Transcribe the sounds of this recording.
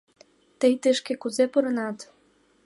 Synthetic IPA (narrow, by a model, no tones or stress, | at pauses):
t̪əjt̪əʃkĕkuzepuɾɤ̆nɑt̪